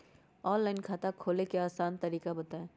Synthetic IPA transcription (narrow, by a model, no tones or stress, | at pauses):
ɔːnlaːɪnkʰaːt̪akʰoːlekeaːsaːnt̪ɐɾiːkabɐt̪aẽː